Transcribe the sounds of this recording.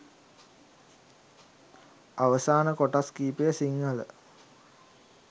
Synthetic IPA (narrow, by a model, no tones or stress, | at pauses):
aʋəsaːnəkoʈaskiːpejəsiŋɡələ̰